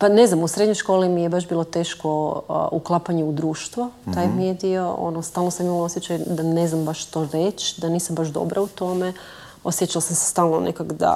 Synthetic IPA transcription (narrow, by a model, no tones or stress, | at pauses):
pane̞znamusɾe̞d̪ɲojʃkolimijebaʃbiːlˠo̞t̪e̞ːʃko̞uklˠapaɲeud̪ɾuːʃt̪ʋot̪aːjmiijed̪io̞o̰nost̪aːlnosamimalosjet͡ɕajd̪aneznambaʃʃt̪oɾet͡ʃd̪aniːsambaʒd̪o̰bɾaut̪o̞me | osjet͡ʃalsamse̥st̪aːlˠnonʔḛkakd̪a̰